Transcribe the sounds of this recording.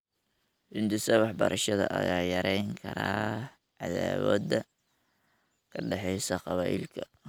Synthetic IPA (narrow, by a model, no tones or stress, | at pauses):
hɪnd̪ʊsɐwɑħbɐɾʔɐʃɐðɐ̰ʔɐɣaːjɐɾɛjŋkʰɐɾaː | ʕɑðaːwɔ̰ːd̪ɐ | kʰɐɖɛħɛjsɐqɑβaːʔɪ̰lkʰɐ